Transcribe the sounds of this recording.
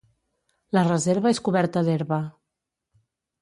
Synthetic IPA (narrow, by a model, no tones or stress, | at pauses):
lərəzeɾβəeskuβɛɾt̪əðeɾβə